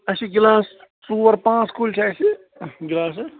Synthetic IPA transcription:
ɐsiɡɪlãːs | suːʋɐɾpãːt͡skult͡ʃʰaːsi | ɡɪlaːs̬

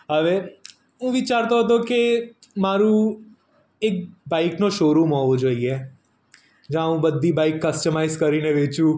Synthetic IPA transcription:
əʋeːɾ | ũːʋit͡ʃaːɾt̪ot̪oːkemaːɾũː | ek̚baːiknõːʃoːɾuːmɔ̃ːod͡ʒoːiɛː | d͡ʒãːũːbəd̪ːiːbaːikːəsʈəmaːɪzkəɾiːnẽʋeːt͡ʃũː

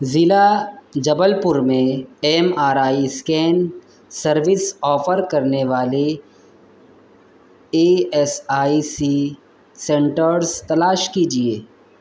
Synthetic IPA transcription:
zɪlad͡ʒɐbəlpʊɾmẽɛːmaːɾaːiskɛːn | sɐɾʋɪsɔːfəɾkɐɾneʋaːle | eːɛsaːisi | sɛ̃ɳʈəɾɾzt̪ɐlaːʃkid͡ʒieː

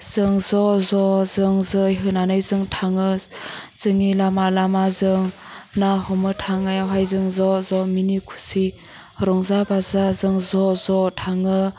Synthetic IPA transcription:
z̥ɯŋzɔzɔzɯŋzɯjɦɯnanɯjzɯŋtʰaŋɯz̥ɯŋilamalamazɯŋ | nahɔmɯtʰaŋajawɦajzɯŋzɔzɔminikʰu̥si | ɾɔŋzabazazɯŋzɔzɔtʰaŋɯ

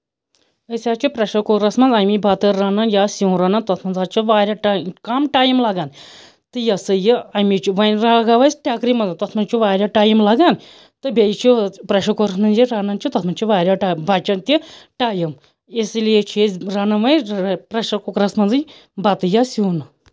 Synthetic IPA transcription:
əsʲaːt͡ʃʰipɾɐʃɐkokɾɐsmɐnzɐmibʱɐt̪ɨɾɐnɐnjasuːnɾɐnɐnt̪ɐt̪ʰmɐnzaːt͡ʃʰiʋaːɾʲaʈːkamʈaːjimlɐɡaːn | t̪ɨjɐsɨjiɐmit͡ʃʰiʋɐnɾaɡaːʋɐjsʈʲaːkɾimɐnzɨt̪ɔt̪ʰmɐnt͡ʃʰuʋaːɾʲaʈaːjimlɐɡaːn | t̪ɨbʲejt͡ʃʰipɾɐʃɐkokɾɐsmɐnd͡ʒiɾɐnɐnt͡ʃʰut̪ɐt̪ʰmɐnt͡ʃʰiʋaːɾʲaʈabɐt͡ʃɐnt̪ʲiʈaːjɐm | esilijet͡ʃʰizɾɐnɐnʋɐjpɾɐʃɐkukɾɐsmɐnzɨ | bɐt̪ɨjasuːnɨ

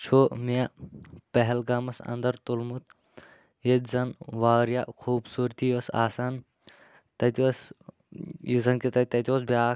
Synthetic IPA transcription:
t͡ʃʰoːmijapɐɦɛlɡaːmɐsɐ̰nd̪ɐɾt̪ulmut̪ | jet̪ʲzɐnʋaːɾja̰ːkʰuːbsuːɾt̪iʋɐsa̰ːsaːn | t̪ɐt̪ʲiʋɐs | jizɐnkit̪ɐt̪ɐt̪ʲɐs̬bjaː

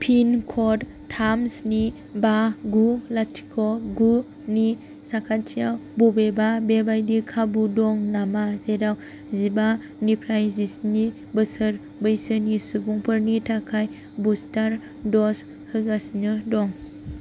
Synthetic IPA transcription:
pʰinkʰɔd | tʰamsni | baɡulatʰi̥kʰɔɡu | ni | sakʰatʰijawbɔbebabebajdikʰabudɔŋnamazedaw | ziba | nipʰɾajzisni | bɯsɯɾ | bɯjsɯnisubuŋpʰɯɾnitʰakʰaj | bustaɾ | dɔs | hɯɡasnɯdɔŋ

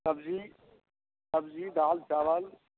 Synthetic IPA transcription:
sɐbzi | sɐbzid̪aːlt͡ʃaːʋəl

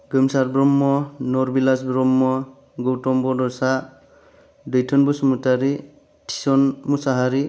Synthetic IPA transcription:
ɡɯmsaɾbɾɔmːɔnɔɾbilasbɾɔmːɔ | ɡɔwtɔmbɔdɔsa | dɯjtʰɔnbusumutaɾi | tʰi̥sɔnmusaɦaɾi

